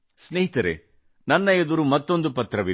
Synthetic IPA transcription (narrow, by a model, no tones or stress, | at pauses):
sneɦit̪ɐɾḛ | nɐnːɐed̪uɾumɐt̪ːo̞nd̪upɐt̪ɾɐʋi